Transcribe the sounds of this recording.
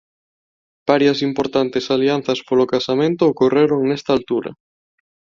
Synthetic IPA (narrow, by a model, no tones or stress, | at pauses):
b̥aɾjɐsimpoɾt̪ant̪esalian̟θɐspolokasamẽnt̪ʊːkoreɾoŋnɛst̪alt̪uɾɐ̰